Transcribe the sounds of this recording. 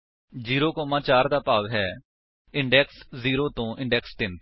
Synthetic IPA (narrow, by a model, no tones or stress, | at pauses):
d͡ʒiːɾoːkɔːmãːt͡ʃaːɾd̪aːpaːʋɦɛː | ɪ̃ɳɖɛːksziːɾoːt̪õːʔɪ̃ɳɖɛːkst̪ɪn